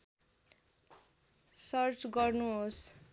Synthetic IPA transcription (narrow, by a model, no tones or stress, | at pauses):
sʌrt͡sɡʌrnuɦos